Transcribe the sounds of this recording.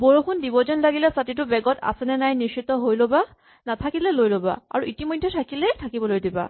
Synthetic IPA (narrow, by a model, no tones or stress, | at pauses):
boɹokʰundibɔzɔnlaɡilɛsatitʊbɛɡɔtʰa̰sɛnɛnajniʃit̪ɔɦojloba | nat̪ʰakilɛlojloba̰a̰ɹuʔitimojdʱːetʰakilɛtʰakibɔlojdiba̰